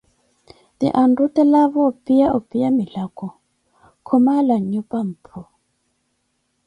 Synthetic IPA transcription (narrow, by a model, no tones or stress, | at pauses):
tḭʔandutɛlaβɔpʼijaupʼijamilakɔ | kʰɔmalaɲupʼam̩pʰu